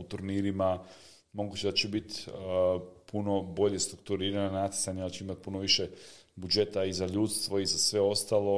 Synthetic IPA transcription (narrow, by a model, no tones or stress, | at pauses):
ut̪uɾniːɾima | mo̞ɡuːt͡ɕed̪at͡ɕebit̪ | pʰuno̞bo̞ʎe̞st̪ɾukt̪uɾiːɾananat̪i̥saɲealit͡ʃeimat̪̚puno̞ʋiʃe | bud͡ʒe̞t̪aizaʎuːt̪st̪ʋo̞izasʋe̞o̞st̪alˠo̞